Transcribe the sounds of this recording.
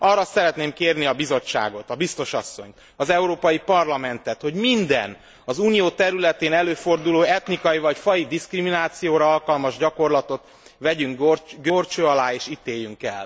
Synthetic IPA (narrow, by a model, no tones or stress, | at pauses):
ɒrːɒsɛɾɛt̪neːmkeːrniɒbizo̞t͡ʃːa̰ːɡo̞t̪ɒbist̪o̞ʃɒsːo̞̰ɲ | ɒzɛuɾoːpɒjipɒrlɒmɛnt̪ɛt̪ho̞ɟmind̪ɛ̰n | ɒzuːnijoːt̪ɛɾylɛt̪eːnɛløːfo̞rd̪uloːɛt̪nikɒjivɒcfɒjid̪iskriminaːt̪sijoːɾɒɒlkɒlmɒʒɟɒko̞rlɒt̪o̞t̪ | ʋɛɟyŋɡorɡøort͡ʃøːɒlaːeːʃit̪eːjːyŋkɛ̰l